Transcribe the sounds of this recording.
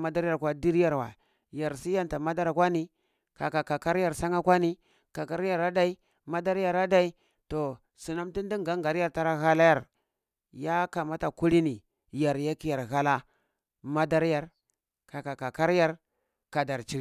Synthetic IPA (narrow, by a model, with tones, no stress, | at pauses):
ma˦da˦ɾa˨ɾkʷwa˦di˦ɾja˨ɾwa̰˨ | ja˨ɾsi˦ja˦nta˨ma˦da˦ɾkwa˦ni˦ | ka˨ka˨ka˨ka˦ɾja˨ɾsa˦ŋa˦kʷa˦ni˦ | ka˨ka˦ɾja˨ɾa˦da˦i˦ | ma˦da˦ɾja˨ɾa˦da˦i˦ | to˨ | si˨na˦mti˦n˦di˦ŋɡa˦ŋɡa˨ɾja˦˨ɾta˦ɾa˦ɣa˦la˦ja˨ɾ | ja˦ka˨ma˦ta˨ku˦ɾi˦ni˨ | ja˨ɾja˦ki˦ja˨ɾɣa˦la˦ | ma˦da˦ɾja˨ɾ | ka˨ka˨ka˨ka˦ɾja˦ɾ | ka˨da˨ɾt͡ʃi˦ɾ